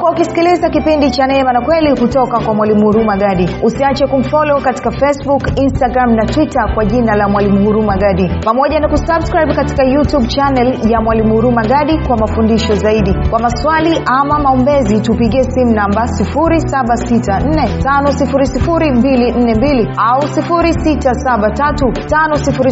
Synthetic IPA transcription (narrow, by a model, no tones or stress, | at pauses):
kwaukisi̥kilizakipindit͡ʃanɛɛmanakwɛlikutɔkakwamwalimuhuɾumaɡaɗiusiat͡ʃɛkum̩fɔlɔɔkati̥kafɛsbukinstaɡɾamnatwitakwaʄinalamwalimuhuɾumaɡaɗipamɔʄanakusabskɾajbkati̥kajutuɓt͡ʃanɛljamwalimuhuɾumaɠaɗikwamafundiʃɔzaiɗikwamaswaliʔamamaɔmbɛzitupiɠiɛsimunambasifuɾisaɓasitan̩nɛtanɔsifuɾisifuɾimbilin̩nɛmbiliausifuɾisitasaɓatatutanɔsifuɾi